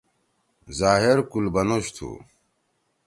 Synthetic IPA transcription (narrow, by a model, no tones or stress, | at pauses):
zaːɦeɾkulbɐnoɕt̪ʰṵ